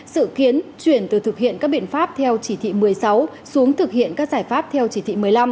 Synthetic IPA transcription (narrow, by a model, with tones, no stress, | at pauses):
sɨ̰˧˨ki˨˦ənt͡ɕwi˧˩ənt̪ɨ˨˩t̪ʰɨ˨˩k̚hḭ˧˨ənkaː˦˥k̚ɓḭ˧˨ənfaː˦˥p̚t̪ʰɛ˧wt͡ɕi˧˩t̪ʰḭ˧˨mɨ˨˩əjsa˨˦w | su˨˦əŋt̪ʰɨ˨˩k̚hḭ˧˨ənkaː˦˥k̚zaː˧˩jfaː˦˥p̚t̪ʰɛ˧wt͡ɕi˧˩t̪ʰḭ˧˨˩mɨ˨˩əjla˧m